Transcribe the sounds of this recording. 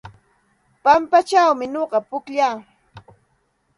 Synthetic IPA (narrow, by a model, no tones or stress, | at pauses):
pampat͡ʃawmɪɲoɢɑpʊkʎaː